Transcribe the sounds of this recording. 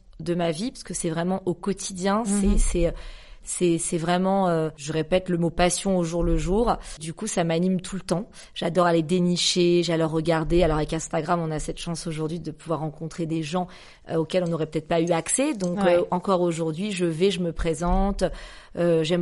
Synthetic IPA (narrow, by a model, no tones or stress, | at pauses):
d̪əmavipḁskəsɛvʁɛmɑ̃ʔokɔt̪ʰid̪jɛ̃sɛsɛsɛsɛvʁɛmɑ̃øʒəʁepɛt̪ləmopasjɔ̃oʒuʁləʒuːʁd̪ykusamanimt̪ʰult̪ɑ̃ | ʒ̥ad̪ɔʁaled̪eniʃeʒalɔʁːəɡaʁd̪ealɔʁavɛkɛ̃st̪aɡʁamɔ̃nasɛt̪ʃɑ̃soʒuʁd̪ɥid̪əpuvwaʁːɑ̃kɔ̃t̪χed̪eʒɑ̃ | okʲɛlɔ̃nɔʁɛpøət̪ɛt̪χpayaksɛd̪ɔ̃kɑ̃kɔʁoʒuʁd̪ɥiʒəvɛʒəməpχezɑ̃t̪øʒɛm